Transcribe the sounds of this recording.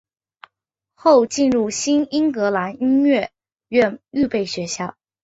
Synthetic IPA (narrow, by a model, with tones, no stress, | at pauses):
xo˥˧ʊt͡ɕi˥˧nɻu˥˩ɕi˥ni˥ŋkɤ˧˥la˧˥ni˥nɥɛ˥˩ | ɥɛ˥˧ny˥˧pe˥˩ɪɕɥɛ˧˥ɕjɑ˥˩ʊ